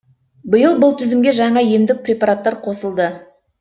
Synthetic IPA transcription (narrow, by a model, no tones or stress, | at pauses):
bəjəlˠbʊlˠt̪ʰʏzɪmɡʲe̞ʒɑɴɑje̞md̪ɪk̚prʲe̞pɑɾat̪ːɑɾqʰo̞səlˠd̪ə